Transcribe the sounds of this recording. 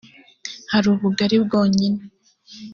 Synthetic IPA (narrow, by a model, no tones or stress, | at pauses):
haɾuːβuɡaɾibɡoːɲine